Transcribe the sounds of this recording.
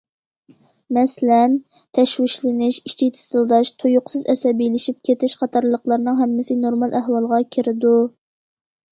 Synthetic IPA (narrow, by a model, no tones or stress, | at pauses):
mɛslɛn | t̪ʰɛʃwɪʃlɪnɪʃi̥t͡ʃʰit̪ʰɪ̥t̪ɨlˠd̪ɑʃt̪ʰojʊqsɨzɛsɛbilɪʃip̚kʲʰet̪ʰɪʃqʰɑt̪ʰɑɾlˠəqlˠɑɾnɨŋɦɛmːɪsɪnoɾmɑlˠʔæhwɑlˠʁɑkʲʰɪɾɪd̪u